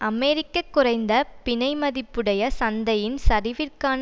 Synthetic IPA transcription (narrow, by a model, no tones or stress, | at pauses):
ɐmɛːɾɪkːɐkːʊrɐɪnd̪ɐpɪnɐɪmɐðɪpːɯɽɐjɐsɐnd̪ɐjɪnsɐɾɪʋɪrkaːn